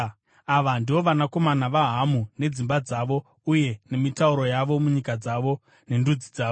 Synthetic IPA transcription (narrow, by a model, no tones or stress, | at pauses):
aʋandio̞ʋanako̞manaʋaɦamune̞d͡zimbad͡zaʋo̞ | uje̞ne̞mitauɾo̞jaʋo̞muɲikad͡zaʋo̞ | ne̞ndud͡zid͡zaːʋo